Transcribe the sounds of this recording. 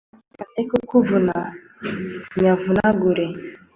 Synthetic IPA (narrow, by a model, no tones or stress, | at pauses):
kaʔɛkukuvuna | ɲavunaɡuɾɛ